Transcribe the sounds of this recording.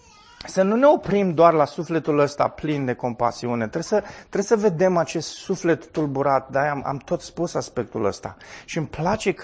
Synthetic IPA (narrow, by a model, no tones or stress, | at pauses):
sənune̞o̞pɾimd̪oarlasufle̞t̪uləst̪a̰plind̪e̞ko̞mpa̰siune̞t̪ɾesət̪ɾe̞səve̞d̪e̞mat͡ʃe̞st̪sufle̞t̪ːulbuɾat̪̚d̪aama̰mt̪o̞t̪spusaspe̞k̚t̪ṵlə̰st̪a̰ʃiɨmplat͡ʃe̞k